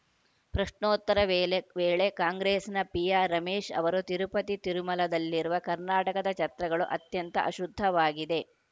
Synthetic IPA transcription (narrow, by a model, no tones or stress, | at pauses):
pɾɐʂɳoːt̪ːɐɾɐʋeːɭe̞kaːŋɡɾeːsnɐpijaːɾɐmeːʃɐ̰ʋɐɾut̪iɾupɐt̪it̪iɾumɐlɐd̪ɐlːiɾuʋɐkɐɾnaːʈɐkɐd̪ɐt͡ʃɐt̪ɾɐɡɐɭuʔɐt̪jɐnt̪ɐ̰ʔɐʃud̪ʱːɐʋaːɡid̪e̞